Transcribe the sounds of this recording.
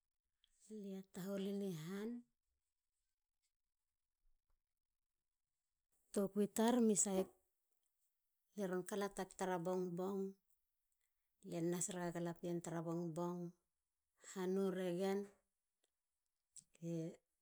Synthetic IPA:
liataɦoliniɦan | tokuitaɾmisajp̚ | leɾonkalatak̚taɾabo̞ŋboŋ | lienːasɾaɡaɡalapientaɾabo̞ŋbo̞ŋ | hanuɾeɡen | ke

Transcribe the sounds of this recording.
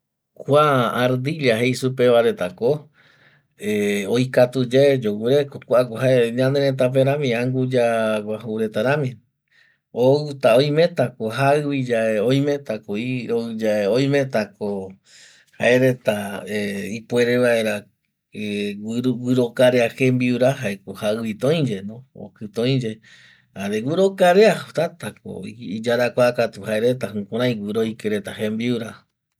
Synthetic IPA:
kʷaːɾd̪iliaɦejsupe̞ʋaɾe̞t̪ako | eojkat̪ud͡ʒed͡ʒowɨɾekokʷakohaeɲãnd̪eɾẽt̪̬ap̬eɾãmĩãŋɡud͡ʒaɡʷahuɾet̪aɾãmĩ | oɨt̪aõj̃mẽ̞t̪akoɦaɨβid͡ʒaeoj̃mẽt̪akoioɨd͡ʒaeoj̃mẽt̪ako | haeɾe̞t̪aeipueɾeβae̞ɾa | eɡɨɾokaɾeahembiuɾaɦaekohaɨβit̪õj̃d͡ʒe̞nõo̰kɨt̪õj̃d͡ʒe̞ | aɾewɨɾokaɾeaht̪at̪ako̰iid͡ʒaɾakʷakat̪uhaeɾe̞t̪̬aɦɨ̃kõɾãj̃wʷɨɾojkeɾe̞t̪ahembiuɾa

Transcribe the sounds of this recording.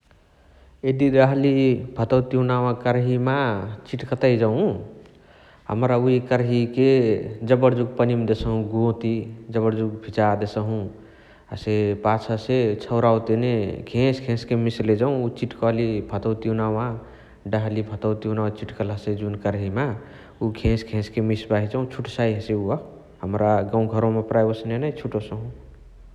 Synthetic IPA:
ed̪iɖəɦlibʱət̪əwt̪iunawãkəɾɦimat͡ʃiʈkət̪əjd͡ʒaũ | ɦə̰mɾauikəɾɦiked͡ʒəbəɾd͡ʒuɡ̚pənimd̪esəɦũɡõt̪id͡ʒəbəɾd͡ʒuɡ̚bʰʱit͡ʃad̪esəɦũ | ɦə̰sepat͡ʃʰəset͡ʃʰəwɾawt̪enekʰẽskʰẽskemisled͡ʒaũut͡ʃiʈkɔɦlibʱət̪əwt̪inawã | ɖəɦlibʱət̪əwt̪iunawt͡ʃiʈkələsed͡ʒunkəɾɦima | ukʰẽskʰẽskemisbaɦid͡ʒaũt͡ʃʰuʈsaiɦəseuɔ | həmɾaɡãũɡʱəɾõmepɾajəsnenat͡ʃʰuʈosəɦũ

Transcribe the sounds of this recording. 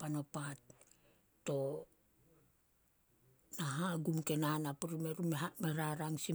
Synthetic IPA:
pano̞pat | to̞ | naɦaɡumke̞nanapuɾime̞ɾumeameɾaɾaŋsi

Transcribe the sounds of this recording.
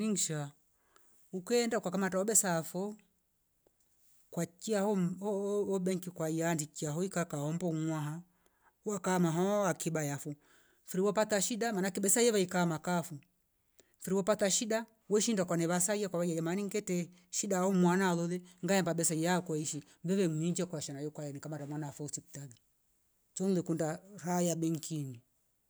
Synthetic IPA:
niŋʃa | ukɛndaukakamatawɔɓɛsafɔ | kwat͡ʃiahɔ | ɔbɛŋkikwaiandit͡ʃiaɦɔikakahɔmbɔmwaɦa | wakamaɦɔakibajafu | fiɾiwɔpat̪aʃiɗamanakiɓɛsaiɛβaikamakafu | fiɾiwɔpat̪aʃiɗa | wɛʃindakwanɛβasaiakwaβajajamaniŋɡɛtɛ | ʃiɗaɔmwanalɔlɛŋɡajɛmbaɓɛsaijakwɔiʃi | vɛβɛmuiɲd͡ʒɛkwaʃanajɔkwajanikamadamwanafɔusiku̥taði | t͡ʃɔnulɛkundaɾajabɛŋkʰini

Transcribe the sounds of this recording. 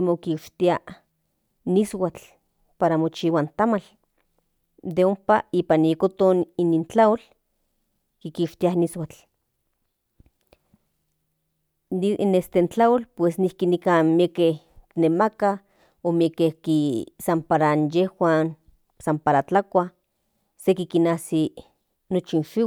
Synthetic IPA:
mokiʃt̪ia | niswat͡ɬ | paɾamot͡ʃiwant̪amal | d̪eompaiːpanijekot̪oninint͡ɬaol | kikiʃt̪ianiswat͡ɬ | nest̪ent͡ɬaolpwesnihkinikanmiekeh | nemaka | omiekehkisampaɾanjehwaːn | sampaɾat͡ɬakʷa | sekikinaːsi | not͡ʃinʃiw

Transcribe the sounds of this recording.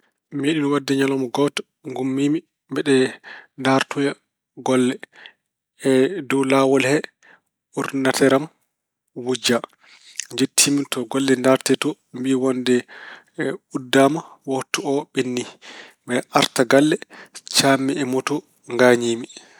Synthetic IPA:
meɗinɔwadːɛɲalɔmɔɡɔt | ŋɡumːiːmi | mbɛɗɛndaɾtɔja | ɡɔlːɛ | ɛdɔwlawɔlhɛ | uɾnatɛɾam | wud͡ʒa | ɲd͡ʒetʰːimitɔɡɔlːɛndaɾtɛtɔ | mbiwɔndɛ | udːaːmawɔtːuɔɓenːiɓɛʔaɾtaɡalːɛt͡ʃamːiɛmɔtɔ | ŋɡaɲiːmi

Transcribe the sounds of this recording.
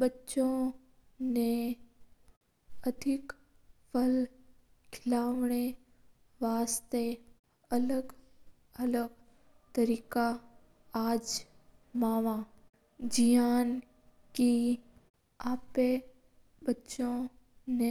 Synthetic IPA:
bətːʃõ | ne | ɐd̪ʱɪk | pʰəl | kʰɪlaːʋɽ̃e | ʋaːst̪e | ɐləɡ | ɐləɡ | t̪əɾiːka | aːd͡ʒ | maːʋã | d͡ʒijaːn | ki | aːpe | bɐtːʃõ | ne

